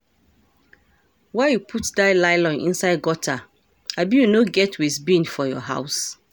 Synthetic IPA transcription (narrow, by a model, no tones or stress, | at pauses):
waɪjupʰutdaɪlaɪlɔ̃nʔḭ̃nsaɪd̚ɡɔtʰa | abijunoɡɛtwisbĩnfɔjɔ̰ɦa̰ʊs